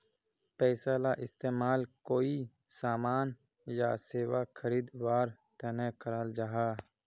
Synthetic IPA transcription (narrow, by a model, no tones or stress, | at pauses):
pɛːsaːlaʔɪst̪eːmaːlkoːi | saːmaːn | ja̰ːseːwakʰəɾiːd̪waːɾt̪ɛnɛkʰəɾaːld͡ʒaɦaː